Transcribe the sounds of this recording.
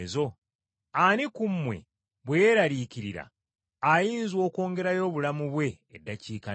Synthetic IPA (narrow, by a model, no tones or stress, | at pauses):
zo̞ | anikumːwe̞̰ | βwejeɾaliːciɾiɾa̰ | ajiːnzwo̞ːko̞ːŋɡe̞ɾajo̞ːβulamuβwe̞ːdːaciːka